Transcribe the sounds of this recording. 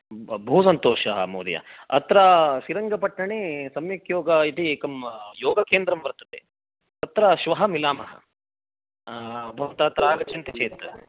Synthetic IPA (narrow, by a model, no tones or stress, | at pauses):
bʱuːsɐnt̪oːʃɐɦɐ̰moːd̪jɐ̰ɐ̰t̪ɾɐʃiɾɐŋɡɐpɐʈːɐɳeːsɐmjɐkjoːɡɐit̪ieːkɐmjoːɡɐkeːnd̪ɾɐmʋɐɾt̪ːɐt̪ḛː | t̪ɐt̪ɾɐʃʋɐɦɐmilaːmɐɦɐ̰ | bʱɐʋɐt̪ɐːt̪ɾɐaːɡɐt͡ʃʰɐnt̪it͡ʃeːt̪